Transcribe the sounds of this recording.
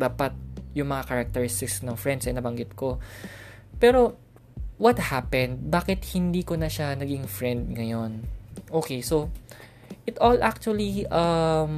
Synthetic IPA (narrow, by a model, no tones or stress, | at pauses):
d̪aːpɐt̪̚jʊŋmɐŋakɐɾɐk̚t̪ɛɹɪst̪ɪksnɐŋfɹɛnd̪sʔɛnɐbɐŋɡɪt̪̚ko̞ | pɛːɾo̞ | wɐt̪̚hapɛnd̪̚baːkɪt̪̚hɪnd̪iːkonɐʃanɐɡɪŋfɹɛnd̪̚ŋɐjo̞nʔoːkejso̞ | ʔɪt̪ʔolʔak̚t͡ʃuɐliʔɐm